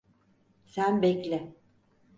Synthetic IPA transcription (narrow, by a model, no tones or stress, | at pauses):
sænbɛclʲɪ